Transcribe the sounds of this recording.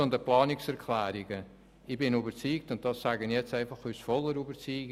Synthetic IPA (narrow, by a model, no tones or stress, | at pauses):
ond̪əplɑːnɪksɛɾkʰlæːɾɪɡə | ɪbɪnuːbəɾt͡siːk̚tʊnt̚d̥ɑsːaɡənjɛt͡stɛɪfɑχyːsfɔlːəɾybət͡siːɡ